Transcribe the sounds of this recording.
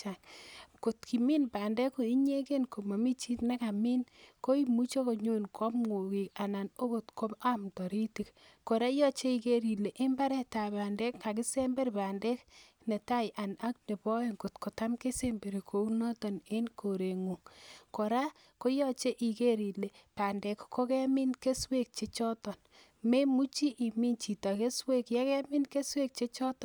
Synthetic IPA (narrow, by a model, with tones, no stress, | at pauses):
a˨ŋko˨tkʰi˨mi˦npaː˨ndɛ˦ko˨i˦ɲe˦ke˦nko˨ma˨mi˦t͡ʃi˦tna˦ka˨mi˦nko˦i˦mu˦t͡ʃo˦ko˨ɲo˦nkʰɔ˦pŋŋo˨ki˨ka˨na˨no˦ko˨tko˦a˦mtɔ˨ɾi˦ti˦kko˨ɾa˦jɔ˦t͡ʃe˦i˨ke˦ɾi˨le˨ʔe˦mba˦ɾɛ˦ta˨ba˨ndɛ˦kka˨ki˦se˦mbe˦ɾpa˨ndɛ˦k | ne˨ta˦jʔa˨na˦kne˨bɔ˦e˨ŋɡo˨tko˨ta˦mke˦se˦mbe˨ɾi˨kʰo˨u˦nɔ˦tɔ˨ne˦nko˨ɾe˨ŋu˨ŋko˨ɾa˦ | ko˦jɔ˦t͡ʃe˦ʔi˨ke˦ɾi˨le˨pa˨ndɛ˨kko˦kɛ˦mɪ˦nke˦swe˦k̚t͡ʃe˦t͡ʃɔ˦tɔ˨n | me˦mu˦t͡ʃi˦ʔi˨mi˦nt͡ʃi˨tɔ˨ke˦swe˦kjɛ˦kɛ˦mɪ˦nke˦swe˦k̚t͡ʃe˦t͡ʃɔ˦tɔ˨